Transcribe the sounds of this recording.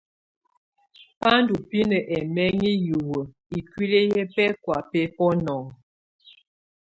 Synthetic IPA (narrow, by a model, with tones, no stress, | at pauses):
pa˦ndu˨pi˦nə˨ʔɛ˨mɛ˦ŋi˦ju˨wə˨ | i˨kwi˦le˦jɛ˦pɛ˦kwa˨pɛ˦pɔ˦nɔ˨ŋ